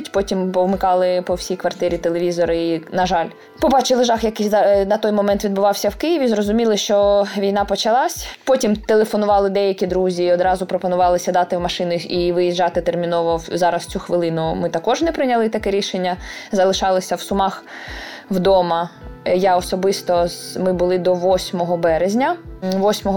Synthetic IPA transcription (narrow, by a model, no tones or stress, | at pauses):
tʲpɔtʲimpɔwmɪkɑlˠɪpɔwsʲijkʋɐrt̪ɪɾʲit̪elˠeʋʲizɔɾɐinɐʒɑlʲ | pɔbɑt͡ʃɪlˠɪʒɑxjɐkɪznɐt̪ɔjmɔmɛnt̪ʋʲid̪bʊʋɑwsʲɐwkɪjiʋʲizɾɔzʊmʲilˠɪʃt͡ʃɔʋʲijnɑpɔt͡ʃɐlˠɑsʲpɔtʲimt̪elˠefɔnʊʋɑlˠɪd̪ɛjɐkʲid̪ɾuzʲiːɔd̪ɾɑzʊpɾɔpɔnʊʋɑlˠɪsʲɐd̪ɑt̪ɪwmɐʃɪnʊiʋɪjiʒːɑt̪ɪt̪ermʲinɔʋɔzɑɾɐst͡sʲuxʋɪlˠɪnʊmɪt̪ɐkɔʒnɛpɾɪnʲɐlˠɪt̪ɐkɛɾʲiʃenʲːɐzɐlˠɪʃɑlˠɪsʲɐwsʊmɑx | wd̪ɔmɐjaɔsɔbɪst̪ɔmɪbʊlˠɪd̪ɔʋɔsʲmɔɦɔbɛɾezʲnʲɐʋɔsʲmɔɦɔ